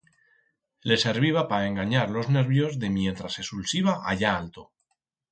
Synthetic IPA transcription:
le̞se̞ɾβiβ̞apaae̞ŋɡaɲaɾlo̞zne̞ɾβjo̞zðe̞mje̞nt̪ɾase̞sulsiβaʔaʎaalt̪o̞

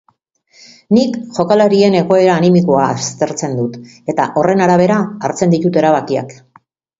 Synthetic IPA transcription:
nikʝo̞kalaɾie̞ne̞ɣo̞e̞ɾaːnimikoaːst̪e̞ɾt͡se̞nd̪ut̪e̞t̪aʔo̞re̞naɾaβ̞e̞ɾaːɾt͡se̞nd̪it̪ut̪e̞ɾaβakia̰k

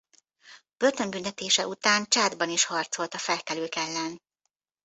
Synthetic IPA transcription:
b̥ørt̪ø̞mbynt̪ɛt̪eːʃɛʔut̪aːnt͡ʃaːd̪bɒniʃhɒrt̪so̞lt̪ɒfɛlkɛløːkɛlːɛn

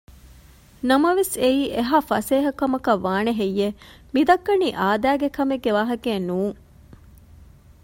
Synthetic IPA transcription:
nɐmɐʋeseiːʔeɦaːfɐseːɦɐkɐmɐkɐʋːaːneɦejːe | mid̪ɐkːɐniːʔaːd̪æːɡekɐmeɡːeʋaːɦɐkeːnuːŋ

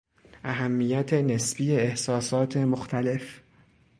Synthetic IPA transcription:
ʔæɦæmːiːjæt̪ʰenesbiːjeːhsɒːsɒːt̪ʰe̞moxt̪ʰæle̞f

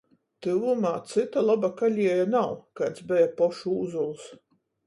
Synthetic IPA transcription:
t̪ɨvumaːt̪sɨt̪alˠabakalʲiɛjanawkat̪sbɛjapɔʃuːzulˠs

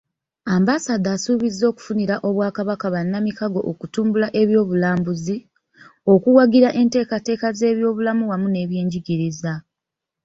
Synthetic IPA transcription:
aːmbasad̪aːsuːβizːo̞ːku̥funiɾaʔo̞βwaːkaβakaβanːamikaɡo̞ʔokutuːmbulaʔe̞βjo̞ːβulaːmbuzi | o̞kuwaɡiɾaʔe̞nte̞ːkate̞ːkaze̞ːβjo̞ːβulamuwamune̞ːβje̞ːɲɟiɡiɾiza

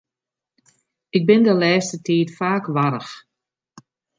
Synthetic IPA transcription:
ɪk̚bɪndəlɛːstətʰiːtfaːkʋaɾəx

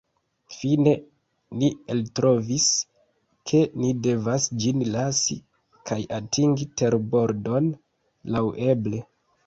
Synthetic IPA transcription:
fine̞ | nieltɾʔo̞vis | kʰe̞nide̞vasd͡ʒinlasi | kʰajʔatʰiŋɡite̞ɾbo̞ɾdo̞n | lawʔe̞ble̞

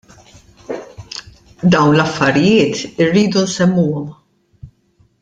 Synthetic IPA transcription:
d̪ɐwnlɐfːɐɾɪjɪːt̪ɪrːiːd̪unsɛmːuːɔm

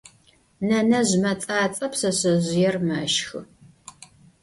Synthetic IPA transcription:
nɐnɐʑmɐt͡sʼaːt͡sʼɐpsɐɕɨʑɪjɛrmɐʃxɨ

